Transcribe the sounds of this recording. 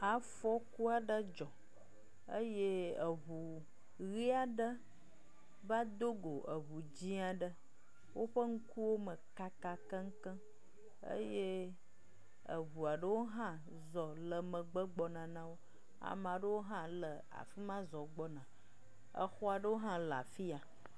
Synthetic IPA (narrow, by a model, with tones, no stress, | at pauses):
a˨fɔ˦ku˦a˨ɖə˦d͡ʒɔ˨ | ə˦je˦ə˨βu˨ | ɣi˦a˨ɖə˦ | va˦d̪o˦ɡo˨ʔə˨βu˨d͡ʑi˦a˨ɖə˦ | wʔo˦ɸə˦ŋ̩˦ku˦wo˦mə˨ka˦ka˦kə̃˦ŋ̩˦kə̃˦ | ə̰˦je˦ | ə˨βu˨a˨ɖə˦wo˦ɦã˦ | zɔ˨lə˨mə̃˨ɡ͡bə˦ɡ͡bɔ˨nã˨nã˦wo˦ | a̰˨mã˨ɖə˦wo˦ɦã˦lə˨ | a̰˨fi˦mã˦zɔ˨ɡ͡bɔ˦nã˨ | ə̰˨xɔ˦a˨ɖə˦wo˦ɦã˦la̰˨fi˦a˨